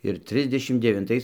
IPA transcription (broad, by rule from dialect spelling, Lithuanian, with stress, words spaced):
ɪr ˈtʲrʲɪzʲdʲɛʃʲɪm dʲɛʋʲɪnˈtɐɪs